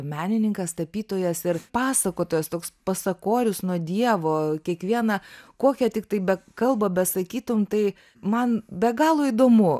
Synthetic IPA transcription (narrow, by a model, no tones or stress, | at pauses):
mʲæːnʲɪnʲɪŋkɐst̪ɐpʲiːt̪oːjɛsɪrpɑːsɐkoːt̪oːjɛst̪oːkspɐsɐkoːɾʲʊsnuɔd̪ʲiɛʋoːkʲiɛkʋʲiɛnɐkoːkʲɛt̪ʲɪk̚t̪ɐɪbʲɛkɐlˠbɐbʲɛsɐkʲiːt̪ʊmt̪ɐɪ | mɐnbʲɛɡɑːlˠoːid̪oːmʊ